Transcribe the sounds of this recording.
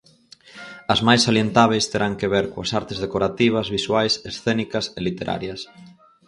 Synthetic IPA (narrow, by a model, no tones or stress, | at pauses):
ɐzmajsaljent̪aβejst̪eɾaŋkeβeɾkoɐsaɾt̪ezðekoɾat̪iβ̞ɐzβiswajsesθenikɐselit̪eɾʔa̰ɾjɐs